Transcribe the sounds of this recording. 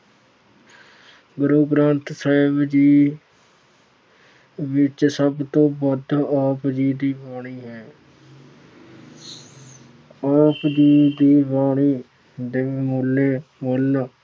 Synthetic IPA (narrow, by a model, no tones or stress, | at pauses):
ɡʊɾoːɡɾãːnt̪saːɪbd͡ʒiː | ʋɪt͡ʃsəbt̪õːbəd̪aːpd͡ʒiːd̪iːbaːɽ̃iːɦɛ̃ː | aːpd͡ʒiːd̪iːbaːɳiː | d̪emoleːmol